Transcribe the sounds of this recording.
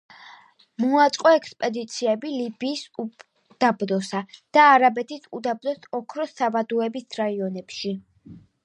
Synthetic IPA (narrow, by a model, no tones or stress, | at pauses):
muat̪sʼqʼɔɛkʰspʼɛd̪it̪sʰiɛbilibiːs | d̪̥abd̪ɔsad̪̥aːɾabɛt̪ʰisʰud̪ab̚d̪ɔsɔkʰɾɔsavad̪uɛbisɾaiɔnɛpʃi